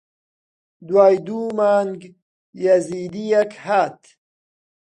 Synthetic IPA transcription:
d̪waːjd̪umaːŋɡ | jazid̪ijakhat̪

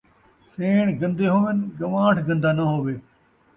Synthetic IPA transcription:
seːɳ̃ɡɐ̃nd̪eɦoːʋɪnɡɐʋãːʈʰɡɐ̃nd̪aːnɐɦoːʋeː

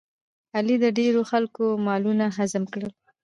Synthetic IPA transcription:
alid̪əɖeɾoxalkomɑlunaɦazəmkɽəl

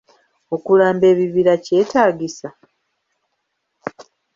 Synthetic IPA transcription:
o̞kulaːmbe̞ːβiβiɾace̞ːtaːɟisa

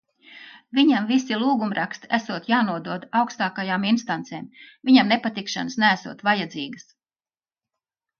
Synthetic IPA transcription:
viɲamvisilˠuːɡumɾʔakst̪æsuɔt̪jaːnuɔd̪uɔd̪awkst̪aːkajaːminst̪ant̪seːmvʲiɲamnepat̪ikʃa̰nəsnææsṵɔt̪vajad̪ziːɡəs

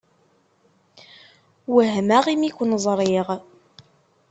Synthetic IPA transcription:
wəɦmæʁimikʷənzˤɾˤiʁ

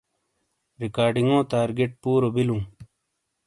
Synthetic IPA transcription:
ɾikaːɖiŋɡõːt̪aːɾɡeʈ̚puːɾobilũː

